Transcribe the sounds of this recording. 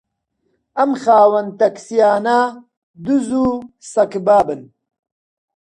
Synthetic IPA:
ɐmxaːwɐnt̪ɐksijaːna | d̪uzusɐkbaːbɨn

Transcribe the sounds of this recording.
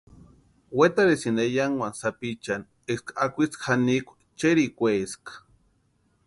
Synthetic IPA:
wet̪aɾesinejaŋwansapit͡ʃan | eskaakʷit͡skxanikʷḁ | t͡ʃeɾikʷeskḁ

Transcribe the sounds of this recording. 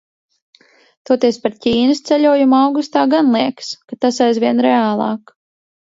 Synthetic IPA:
t̪ɔt̪iɛspaɾcʲiːnɨst̪sɛʎʲuɔjumuawɡust̪aːɡanlˠiɛkskat̪asajzvʲiɛnɾɛaːlˠɑ̰ːk

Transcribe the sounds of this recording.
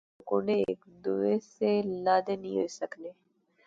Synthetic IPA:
kʊɳɖḛːkd̪uʋeselaːd̪enḭ̃ɦoisəkleː

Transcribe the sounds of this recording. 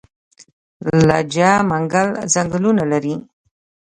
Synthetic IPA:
la̰d͡ʒamaŋɡalzaŋɡlunalaɾi

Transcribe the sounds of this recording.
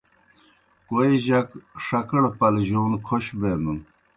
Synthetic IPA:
koeʑɐkʂɐkɐɽpɐlʑoːnkʰoɕbeːnun

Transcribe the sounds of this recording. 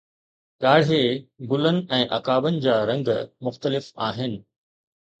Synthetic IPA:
ɠaːɽ̤eɡʊlənɪ̆ʔɛ̃ːʔɐkaːbənɪ̆d͡ʑaːɾɐ̃ŋɡmʊxt̪əlɪfaːɦɪnɪ̆

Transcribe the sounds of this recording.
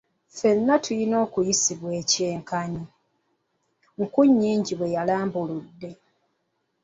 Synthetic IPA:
fe̞nːatʰujino̞ːkujisiβwe̞ːceːŋkaɲi | ŋ̩kuɲːiːɲɟiβwe̞jalaːmbuludːe̞

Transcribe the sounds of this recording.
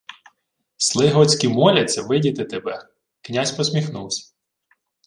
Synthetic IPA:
slˠɪɦɔt͡sʲkʲimɔlʲɐt͡sʲːɐʋɪdʲit̪ɪt̪ebɛ | knʲasʲpɔsʲmʲixnuwsʲɐ̥

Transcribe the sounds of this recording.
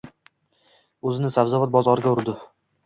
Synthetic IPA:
ɵzɪnɪsabzavat̪̚bɒzɒɾɪɡʲaʊɾd̪ɪ

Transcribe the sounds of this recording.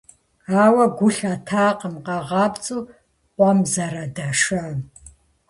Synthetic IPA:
aːwɐɡʷʊɬatʰaːqəmqɑʁɑːbt͡sʼuː | qʷɔmzɐɾɐdɐʂɐ

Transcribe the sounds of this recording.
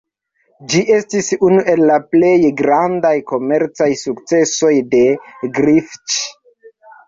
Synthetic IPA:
d͡ʒiʔe̞stisunuʔe̞lːaple̞jɡɾandajko̞me̞ɾt͡sajsukt͡se̞so̞jde̞ɡɾift͡ʃ

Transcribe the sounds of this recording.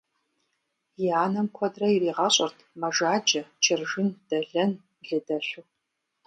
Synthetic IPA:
jiaːnɐmkʷʰɔdrɐiriːʁɐɕʼɐrtʰmɐʒaːd͡ʒɐt͡ʃʰɪrʒɪnd̥ɐɮɐn | ɮɨdɐɬʷu

